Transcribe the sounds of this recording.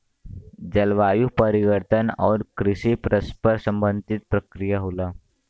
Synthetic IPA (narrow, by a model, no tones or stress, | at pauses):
d͡ʑəlʋajupəɾiʋəɾt̪ʰənɔ̰ɾkɾiɕipɾəspəɾsəmbənd̪ʱit̪̚pɾəkɾijaɦola